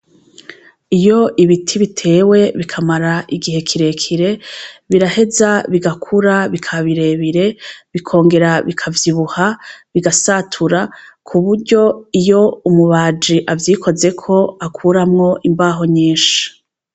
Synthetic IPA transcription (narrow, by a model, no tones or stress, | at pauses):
ijo̞ʔiβitʰiβitʰe̞ːwe̞βikʰamaɾaʔiɡihe̞kʰiɾe̞kʰiɾe̞βiɾahe̞zaβiɡakʰuɾaβikʰaβiɾe̞βiɾe̞βikʰo̞ːŋɡe̞ɾaβikʰavjiβuhaβiɡasatʰuɾakʰuβuɾɟo̞ijo̞umuβaːd͡ʒiʔavjiːkʰo̞ze̞kʰo̞akʰuɾamŋo̞ʔimbaːɦo̞ɲiːʃḁ